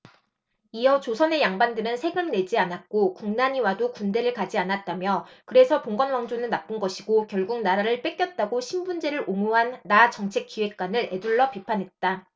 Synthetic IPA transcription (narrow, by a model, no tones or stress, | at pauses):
ijʌt͡ɕosʰʌne̞jaŋbandɯɾɯnsʰe̞ɡɯmne̞d͡ʑianak̚k͈okuŋnaɲiwadokunde̞ɾɯɭkad͡ʑianat̚t͈amjʌkɯɾe̞sʰʌpoŋɡʌnwaŋd͡ʑonɯnːap͈ɯnɡʌɕʰiɡokjʌɭɡuk̚naɾaɾɯɭp͈e̞k͈jʌt̚t͈aɡoɕʰimbund͡ʑe̞ɾɯɾʔomuɦanːat͡ɕʌŋt͡ɕʰe̞k͈iwe̞k̚k͈wanɯɾe̞duɭːʌpipʰanɦe̞t̚t͈a